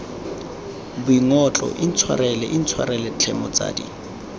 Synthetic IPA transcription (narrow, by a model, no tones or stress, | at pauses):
bʊiŋɔt͡ɬʼɔ̰ʔin̩t͡sʰwa̰ɾɛlɛʔin̩t͡sʰwaɾɛlɛt͡ɬʰɛmɔt͡sʼa̰ːdḭ